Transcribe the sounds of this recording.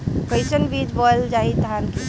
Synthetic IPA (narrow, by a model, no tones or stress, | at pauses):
kəɪsənbid͡ʒbəld͡ʒait̪əɦanki